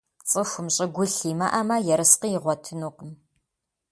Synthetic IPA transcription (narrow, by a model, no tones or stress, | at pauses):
t͡sʼɨxʷʊmɕʼɪɡʷʊɬiːmɐ̰ʔɐmɐjɛɾɨsqijɪʁʷɔtʰɨnuːqəm